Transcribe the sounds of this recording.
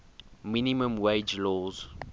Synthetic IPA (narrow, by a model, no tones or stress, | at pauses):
minimə̃mwed͡ʒlɔːz̥